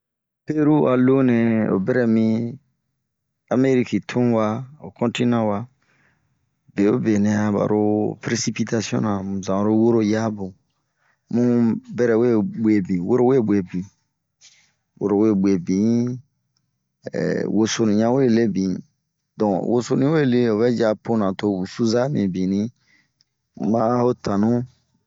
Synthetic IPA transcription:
pe˦ɾu˦a˨lo˦nẽ˨o̰˨bɛ˦ɾɛ˨mĩ˦ | a˨me˦ɾi˦ki˨tʰũ˦wa˦o̰˨kɔ̃˦nti˦nã˦wa˦ | be˨o˦be˨nɛ̃˨a˨ba̰˨ɾo˦pɾe˦si˦pi˦t̪a˦si˦ɔ̰̃˦nã˨mũ˨zã˨ɾo˦wo˦ɾo˦ja˦bũ˨ | mũ˦bɛ˦ɾɛ˨we˦bwe˨bĩ˨wo˦ɾo˦we˦˨bwe˨bĩ˨ | wo̰˦ɾo˨we˦˨be˨bĩ˨ | ɛ̰˨wo˨so˨nĩ˨ɲã˦we˦˨le˦bĩ˨ | dɔ̃˨wo̰˨so˧nĩ˦we˦˨le˦o˨βɛ˦d͡ʒa˦po˦nã˨to˦u˨su˦za˦nĩ˨bĩ˨nĩ˦ | mã˦ho˦tã˨nũ˦

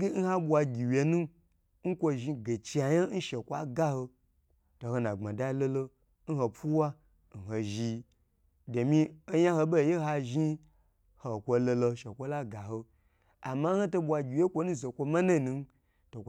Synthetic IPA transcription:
ɡʲe˦n̩˦ha˦ɓʷa˧ɡʲi˨wje˨nu˦ | ŋ̩˦kʷo˧ʒi˧ɡe˨t͡ʃi˨˧a˨ja˦n̩˦ʃe˨kʷa˦ɡa˦ho˧ | to˨ho˧nã˨ŋ͡ma˨da˦lo˦lo˧ | n̩˦ho˧pu˦wa˦ | n̩˨ɦo˧ʒi˧ | de˨mi˧o˦jã˦ho˧bo˦˨je˦ɦa˧ʒi˦ | ho˨kʷo˧lo˧lo˧ʃe˨kʷo˦la˦ɡa˨ɦo˧ | a̰˨ma˦n̩˦ho˦to˧ɓʷa˧ɡʲi˨wje˦kʷo˧nũ˦ze˨kʷo˧ma˦na˦˨nu˧n˦ | to˨k

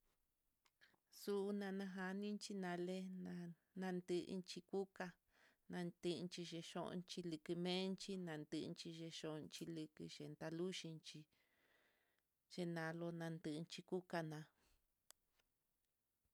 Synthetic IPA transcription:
su˦˧nã˧nã˧ɦa˧nĩ˦nt͡ʃi˦nã˧le˦nã˧ | nã˧nd̪ɨ˧ʔnt͡ʃi˧ku˦ka˧ | nã˧nd̪ɨ˧nt͡ʃi˧ʃe˧ʃõ̰˦ʔnt͡ʃi˧lɨ˧kɨ˧mẽ˦nt͡ʃi˦nã˧nd̪ɨ˧nt͡ʃi˧ʒe˧ʃõ˧ʔnt͡ʃi˧lɨ˧kɨ˧ʃe˨nt̪a˧lu˦ʃi˧nt͡ʃi˧ | ʒ̥e˧nã˨˧lo˧nã˧nd̪ɨ˧nt͡ʃi˧ku˦ka˧nã˧

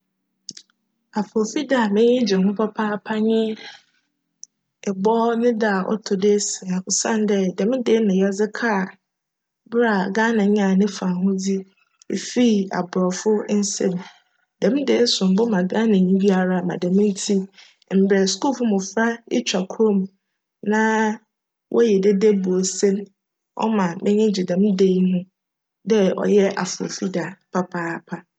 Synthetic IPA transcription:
a˨pʰɔ˨fi˦da˦˨mɪ̃˦ɪ˦d͡ʑɪ˨mʊ̃˦pʰɔ˦pʰaː˦pʰa˦ɲɪ̃˦ | ɛ˨bɔː˦nɪ̃˦da˦˨ʔɔ̰˦tʰʊ˨dɪ˦sɪ˨a˨ʊ˨sã˦n˦dɛ˦˨dɛ˨m̃˦dɪ˦nã˨ja˦d͡zɪ˦kʰa˦˨ | bɾa˨ɡaː˦nã˨ɲɪ˦a˨nɪ̃˦fã˨ɦʊ̃˦di˦ | e˨fi˦a̰˨bɾɔ˨fʊ˦n̩˦sɛ̃˦m˨ | d̥ɛ̃˨m˦de˦sʊ̃˨m˨bʊ˦mã˨ɡa˦nã˨ɲĩ˦ɡi˦a˨ɾa˨mã̰˨dɛ̃˨˦m̃˦n˦tʰi˦ | m̩˨bɾɛ˨sku˦˨fʊ˦mʊ̃˨fɾa˦ɪ̰˦t͡ɕʰᶣa˨kʰɾõ˦m˨ | nã˦ | wʔɔ̰˦jɛ˨de˦de˦bu˨o˨sɛ̃˦m | ɔ̰˦mã˨mɪ̃˦ɲɪ̃˦d͡ʑɪ˨dɛ̃˨m˦de˦hʊ̃˦ | dɛ˦ɔ̰˨jɛ˦ʔa̰˨fo̰˨fi˦da˨pʰa˦pʰa˦˨pʰa˦

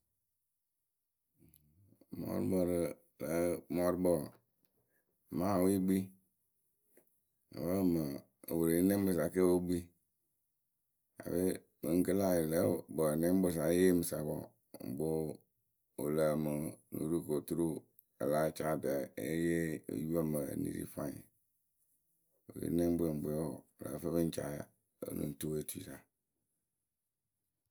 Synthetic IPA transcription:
mɔ̰˦ɾbo˨ɾə˨ | lə˨˦mɔ˦ɾbɔ˨ | ma˦˨wi˦ɡ͡bi˦ | a̰˨wə˦˨mə˨ | o̰˨wu˨ɾi˨˦ne˦m˦bə˨sa˨ke˦wo˦ɡ͡bi˦ | a̰˨be˦ | mə˨ŋ̩˦kə˦la˦je˨lə˦bɔ˨ne˦m˦bo˨s̬a˨˦je˦mi˨sa˨bɔ̰˨ | m˨bo˦ | o˨lə˨mu˨nṵ˨ɾu˦˨ko˨tu˦ɾu˦ | ḛ˨la˦t͡ʃa˦˨də˨e˦jḛ˦˨ju˦a˦mə̰˨nḭ˨ɾḭ˦fa˦˨ɲḛ˨ | wo˨ɾḛ˨˦nẽ˦m˦be˨m̩˨bo˨˦o˦˨lə̰˨˦fe˦be˦n̩˦t͡ʃa̰˨˦˨ | nṵ˨tu˦we˦tu˦i˨sa˨

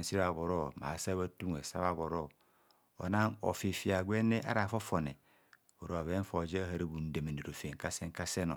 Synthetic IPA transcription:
n̩˨si˦ɾa˨βo˨ɾo˦ma̰˨sa˦βa˦tu˦ŋ˨e˨sa̰˦βa˦˨βo˨ɾo˦˨ | o̰˨na˦ŋo̰˨fe˨fi˨a˨ɡʷe˦ne˦ʔa̰˦ɾa˨fo˦fo˨ne˨ | o˨ɾo˨a˨βe˦fo˨d͡ʒe˦ɦa˨ɾi˦bu˨n̩˨˦de˨me˨ni˨ɾo˨fe˨ŋ˨ka˦se˦ŋ˦ka˦se˦no˨

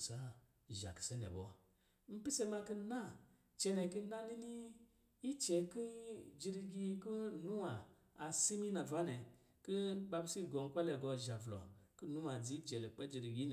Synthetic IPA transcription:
sa˦˨ | ʒa̰˨ki̥˨se˦nḛ˨bɔ̰˨˦ | m̩˦pi˦se˧ma˧ki˧na˦ | t͡ʃe˧ne˨˧˨ki˧˦na˦ni˦ni˦ | i˦t͡ʃe˧ki˦d͡ʒi˧ɾi˧ɡʲi˧˦ku˦nu˦waː˨˧ | si˦mi˦na˨va˦ne˨ | ki˦ɓa˧bi˦si˦˨ɡo˧n˧˦kʷa˦le˧˨ɡo˧˨ʒa˨vlo̰˨ku˦nu˦wa˨d͡zi˦d͡ʒɛ˨le˨k͡pe˦d͡ʒi˧ɾi˧˨ɡʲi˦n˨

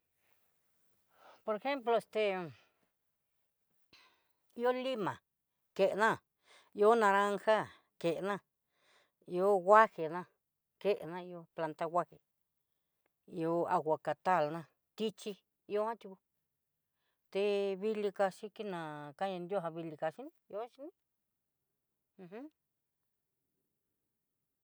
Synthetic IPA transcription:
po˧ɾe˧xe˦mplo˧e˧st̪e˧ | i˦o˦li˦mã˨ | ke˨ʔnã˦˨ | i˧o˦nã˧ɾã˦ŋxa˦ | ke˨ʔnã˦˨ | i˧o˦ɣʷa˦he˨nã˦˨ | ke˦ʔḛ˨nã˦˧i˧o˧pla˧nt̪a˦˧ɣʷa˦he˨ | i˧o˧a˧ɣʷa˨ka˨t̪a˦˨lnã˧˨ | t̪i˦t͡ʃi˧ | i˧o˧˦ã˦t̪ʲu˧ku˧ | t̪e˧βi˧li˧ka˧ʃi˧ki˦nã˨ka˦ɲã˧nd̪jo˦˧ɦa˧βi˧li˧ka˧ʃi˦nĩ˦˧o˦ʃi˧˦nĩ˦ | ũ˧h

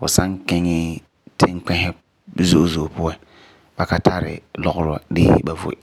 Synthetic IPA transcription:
fʊ˨sa˦ŋkɛ˦ŋɪ˦ | tɪ˦ŋk͡pɛ˦hɛ˦ | zo˦ʔzo˨pʊ˦a˦ | b̥a˦ka˦tʰa˦ɾɪ̰˨lɔ˦ɣʊ˦ɾʊ˦a̰˦˨dɪ̰˦ba˨vʊ̰˨ɪ˨

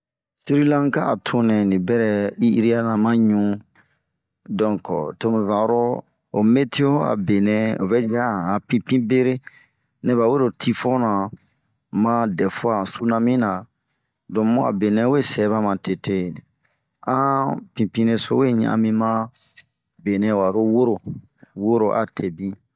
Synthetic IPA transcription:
si˦ɾi˦lã˦ŋ˦kaː˦˨tʰo˨nɛ̃˨nĩ˨bɛ˦ɾɛ˨i˦i˦ɾi˦a˦nã˨mã˦ɲũ˦ | dɔ̃˨ŋkɔ̰˨to˦mẽ˨vã˨˦ɾɔ˦ | o˨me˦tʰi˦o˦a̰˨be˨nɛ̃˦o˨bɛ˦d͡ʒa˦˨ã˨pĩ˦pĩ˦be˦ɾe˦ | ne˦βa˨we˦ɾo˨tʰi˦fɔ̃˦nã˨ | mã˦dɛ˨fo˦ã˨su˦nã˧mĩ˦nã˨ | dɔ̃˨mõ˦a̰˨be˨nɛ̃˦we˦sɛ˨˦βa˦mã˨te˨te˦ | ã˦pĩ˨pĩ˦ne˧so̰˦we˦ɲã̰˦ʔã̰˨mĩ˦mã˦ | be˨nɛ̃˦˨wa˨ɾo˦wo˦ɾo˨ | wo˦ɾo˨ʔa̰˨tʰe˨bĩ˦

